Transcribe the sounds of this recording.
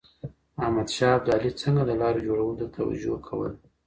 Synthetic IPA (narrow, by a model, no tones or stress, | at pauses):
ahmad̪ʃɑab̚d̪ɑlit͡səŋɡaləlɑɾod͡ʒoɽawəld̪ət̪ʰawa̰d͡ʒo̰kʰawə̰l